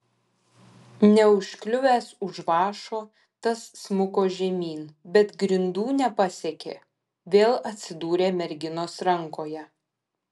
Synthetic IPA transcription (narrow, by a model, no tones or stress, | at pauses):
nʲɛʊʃʲklʲʊʋʲæːsʊʒʋɑːʃoː | t̪ɐsːmʊkoːʒʲɛmʲiːnbʲɛt̪ɡɾʲɪnd̪uːnʲɛpɐsʲɛkʲḛː | ʋʲeːlˠɐt̪ʲsʲɪd̪uːɾʲeːmʲɛɾʲɡʲɪnoːsɾɐŋkoːjɛ